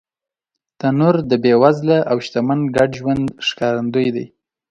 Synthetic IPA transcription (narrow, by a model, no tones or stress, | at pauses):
t̪anuɾd̪əbewazlaʔawʃt̪amanɡaɖʒwand̪ʃkɑɾand̪əjd̪aj